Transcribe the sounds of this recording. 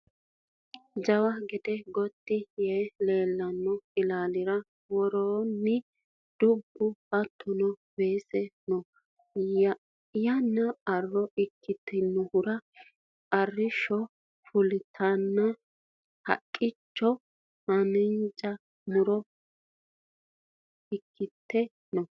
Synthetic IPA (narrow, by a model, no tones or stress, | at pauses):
d͡ʒɐwɐɡɛd̪ɛɡɔt̪ːɪjeːle̞ːlːɐnːɔɪlaːlɪɾɐ | wɔɾoːnːɪ | d̪̥ʊbːʊbɐt̪ʰːʊnɔweːsɛnɔ | jɐnːɐɐrːɔʔɪkʰːɪt̪ʰːɪnːʊhʊɾɐ | ɐrːɪʃɔ | fʊlɪt̪ʰɐnːɐ | hɐ̰kʼːɪt͡ʃːɔ | mɐnɪnt͡ʃʼɐ | mʊɾɔ | ɪkʰːɪt̪ːɛ | nɔ